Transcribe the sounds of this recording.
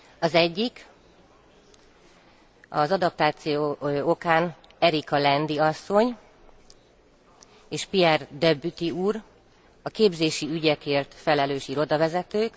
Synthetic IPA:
ɒzɛɟːik | ɒ̰zɒd̪ɒp̚t̪aːt̪sijookaːn | ɛɾikɒlɛnd̪iɒsːo̞ɲ | eːʃpiɛrd̪ɛbːyt̪iuːr | ɒkeːbzeːʃiyɟɛkeːrt̪fɛlɛløːʃiɾo̞d̪ɒvɛzɛt̪øːk

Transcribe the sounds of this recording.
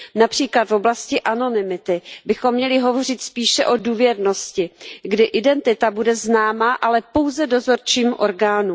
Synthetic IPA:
napr̝̥iːklat̪vo̞blascɪʔano̞nɪmɪt̪ɪbɪxo̞mːɲɛlɪɦo̞vo̞r̝ɪt̪spiːʃɛʔo̞duːvjɛɾno̞scɪɡdɪʔɪdɛnt̪ɪt̪abudɛznaːmaʔalɛpo̞wzɛdo̞zo̞ɾt͡ʃiːmʔo̞ɾɡaːnu

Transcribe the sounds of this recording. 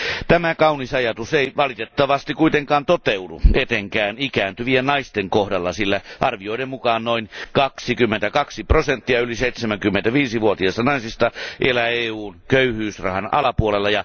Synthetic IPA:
t̪æmækɑunisɑjɑt̪useiʋɑlit̪et̪ːɑʋɑst̪ikkuit̪eŋkɑːnt̪ot̪eudṵet̪eŋkæːnikæːnt̪yʋienɑist̪eŋkohdɑlːɑsilːæʔɑrʋioiɾemmukɑːnnoinkɑksikymːent̪ækɑksiprosent̪ːiɑyliseit̪semæŋkymːent̪æʋiːsiʋuot̪iɑst̪ɑnɑisist̪ɑʔelæeːuːnkøyhyːsrɑ̰hɑnɑ̰lɑpuolelːɑjɑ

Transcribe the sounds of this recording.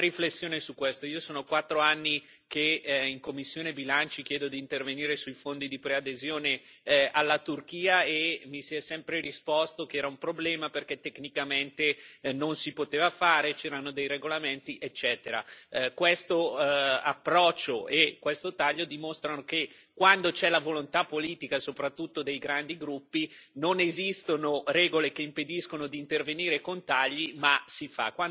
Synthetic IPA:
ɾiflesːjoːnesukːwest̪oiːosoːnokwat̪ːɾoanːi | keiŋkomːisːjoːnebilant͡ʃik̟jɛːd̪od̪iːnt̪erveniːɾesujfond̪id̪ipɾead̪ezjoːne | alːat̪urk̟iːaemːisiɛsɛmpɾeɾispɔst̪okeɛːɾaumpɾoblɛːmaperket̪ːeknikament̪enonsipot̪eːvafaːɾet͡ʃɛːɾanod̪ejɾeɡolament̪iʔet͡ʃːɛːt̪eɾa̰kwest̪oa̰pːɾɔt͡ʃːoʔekwest̪ot̪aʎːod̪imost̪ɾanokekːwand̪ot͡ʃɛlavolont̪apːoliːt̪ikasopɾat̪ːut̪ːod̪ejɡɾand̪iɡɾupːinonezist̪onoɾɛːɡolekeimped̪iskonod̪iːnt̪erveniːɾekont̪aʎːimasifa̰kwa

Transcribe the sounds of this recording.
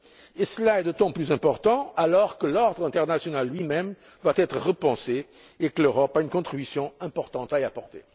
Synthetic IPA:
esəlaɛd̪ot̪ɑ̃plyzɛ̃pɔʁt̪ɑ̃alɔʁkəlɔʁd̪ʁɛ̃t̪ɛʁnasjɔnalːɥimɛm | d̪wat̪ɛt̪χəʁəpɑ̃se | ekəløʁɔpaynkɔ̃t̪χibysjɔ̃ɛ̃pɔʁt̪ɑ̃t̪aeapɔʁt̪ḛ

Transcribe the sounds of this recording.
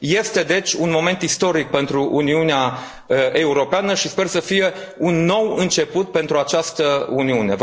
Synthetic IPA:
je̞st̪e̞d̪e̞t͡ʃʲunmo̞me̞nt̪ist̪o̞ɾik̚pe̞nt̪ɾuʔuniunea | e̞uɾo̞peanəʃispe̞rsəfije̞ | unːo̞wɨnt͡ʃe̞put̪̚pe̞nt̪ɾuat͡ʃast̪əuniune̞̰

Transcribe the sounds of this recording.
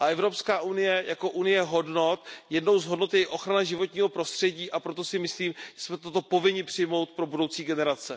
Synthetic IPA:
ʔaɛvɾo̞pskaːʔunɪjɛjako̞ʔunɪjɛɦo̞dno̞t̪jɛdno̞wzɦodno̞t̪jɛɪʔo̞xɾanaʒɪvot̪ɲiːɦo̞pɾost̪r̝̥ɛɟiːʔapɾo̞t̪o̞sɪmɪsliːmʒ̥ɛsmɛt̪ot̪o̞po̞vɪɲɪpr̝̥ɪjmo̞wt̪̚pɾo̞budo̞wt͡siːɡɛnɛɾat͡sɛ

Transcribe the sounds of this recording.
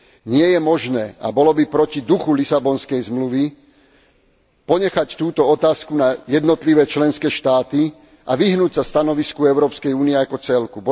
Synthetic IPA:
ɲɪɛjɛmɔʒnɛːa̰bɔlɔbipɾɔcid̪uxulisabɔnskɛjzmluʋi | pɔɲɛxact̪uːt̪ɔɔt̪aːskunajɛd̪nɔt̪liʋɛːt͡ʃlɛnskɛːʃt̪aːt̪i | ʔaʋiɦnuːcsast̪anɔʋiskuɛʊɾɔːpskɛjuːniɛakɔt͡sɛlkubɔ

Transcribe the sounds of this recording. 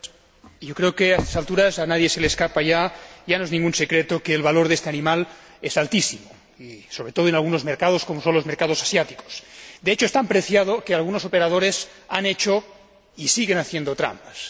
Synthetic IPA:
ʝokɾeokeast̪ḁsalt̪uɾasanaðjese̞leskapaʝaʝanoezniŋɡunsekɾet̪okeːlβaloɾðest̪eanĩmal | esalt̪isimo | iso̞βɾe̞t̪o̞ð̞oenalɣuno̞zmeɾkað̞oskomosõnlo̞zme̞ɾkaðo̞sḁsjat̪i̥ko̥sd̪eet͡ʃoest̪ampɾeθjað̞okealɣ̞uno̞sopeɾað̞oɾesanet͡ʃo | isiɣenaθjend̪ot̪ɾa̰mpḁs

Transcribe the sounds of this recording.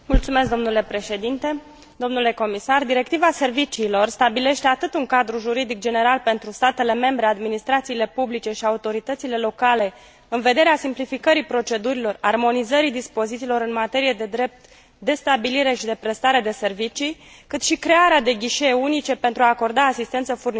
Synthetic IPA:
mult̪sume̞s̬kd̪o̞mnule̞pɾe̞ʃe̞d̪int̪e̞ | d̪o̞mnule̞ko̞misard̪iɾe̞k̚t̪ivase̞rvit͡ʃiːlo̞rst̪abile̞ʃt̪eat̪ɨt̪uŋkad̪ɾuʒuɾid̪ik̚d͡ʒe̞ne̞ɾalpe̞nt̪ɾust̪at̪e̞le̞me̞mbɾe̞ad̪minist̪ɾat̪siːle̞publit͡ʃe̞ʃiaut̪o̞ɾit̪ət̪sile̞lo̞kale̞ | ɨnve̞d̪e̞ɾeasimplifikəɾipɾo̞t͡ʃe̞d̪uɾilo̞rarmo̞nizəɾid̪ispo̞zit̪silo̞ɾɨnmat̪e̞ɾijed̪e̞d̪ɾe̞p̚t̪ | d̪e̞st̪abiliɾe̞ʃid̪e̞pɾe̞st̪aɾe̞d̪e̞se̞rvit͡ʃi | kɨt̪ʃikɾe̞aɾead̪e̞ɡʲiʃeeunit͡ʃe̞pe̞nt̪ɾuaːko̞rd̪aːsist̪ent̪səfurn

